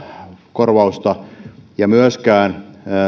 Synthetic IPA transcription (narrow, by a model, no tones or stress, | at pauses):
korʋɑust̪ɑjɑmyøskæːn